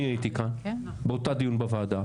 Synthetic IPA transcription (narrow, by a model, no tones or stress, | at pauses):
ĩəit̪ikʰãn | bɐt̪ad̪iunbɐfaːd̪a